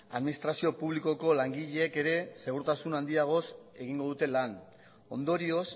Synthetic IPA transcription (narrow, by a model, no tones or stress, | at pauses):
a̰ðminist̪ɾasio̞puβliko̞ko̞laŋɡiʎeːke̞ɾe̞se̞ɣuɾt̪asunand̪iaɣ̞o̞se̞ɣiŋɡo̞ðut̪e̞lan | o̞̰nd̪o̞ɾio̞s